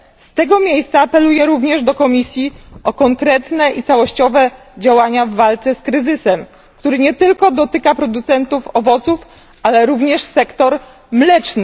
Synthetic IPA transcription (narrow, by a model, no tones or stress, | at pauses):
st̪ɛɡɔmʲjejst̪saːpɛlujɛɾuvɲɛʐd̪ɔkɔmʲisʲjiɔkɔŋkɾɛt̪nɛʔit̪sawɔɕt͡ɕɔvɛ | d͡ʑawaɲavːalt̪sɛskɾɘzɘsɛm | kt̪uɾɘɲɛt̪ɘlkɔd̪ɔt̪ɘkapɾɔd̪ut̪sɛnt̪ufɔvɔt̪suf | alɛɾuvɲɛʂsɛkt̪ɔɾ | mlɛt͡ʂnɘ